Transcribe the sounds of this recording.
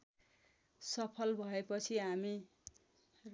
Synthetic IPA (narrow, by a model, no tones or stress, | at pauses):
sʌpʰʌlbʱʌepʌt͡sʰiɦami | r